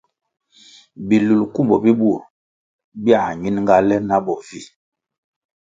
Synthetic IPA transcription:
bi˨lu˨lku˦mbɔ˨bi˦bu˦˨ɾ | bja˦˨ɲi˦nŋɡa˦lɛ˦na˦bɔ˨vi˦˨

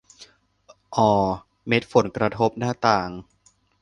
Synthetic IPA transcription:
ʔɔː˧˩ | me˦˥t̪̚fo˨˩˦nkɾa˧t̪ʰo˦˥p̚naː˥˩t̪aː˨˩ŋ

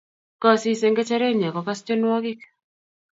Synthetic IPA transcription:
kɔ˨si˦se˨ŋɡe˦t͡ʃɛ˦ɾe˦˨ɲa˨kɔ˨ka˦st͡ʃo˦nwɔ˦ɡɪ˦k

